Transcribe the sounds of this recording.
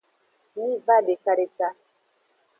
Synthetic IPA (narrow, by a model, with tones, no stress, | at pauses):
ni˦va˦de˨ka˨ɾe˨ka˦